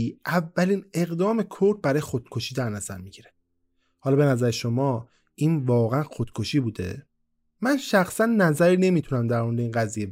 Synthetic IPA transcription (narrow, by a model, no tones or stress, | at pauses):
iʔævːæliːne̞ɣd̪ɒːme̞kʰoɾd̪̚bæɾɒːjexod̪̥̚kʰoʃiːd̪æɾnæz̥æ̰ɾmiɟiɾe | hɒlɒːbe̞næzæɾeʃo̞mɒː | ʔiːnvɒːɣeænxod̪̥kʰoʃiːbuːd̪e̞̰ | mænʃæxsænːæzæɾiːne̞miːt̪ʰunæmd̪æɾmoɾed̪eiːnɡæzijeb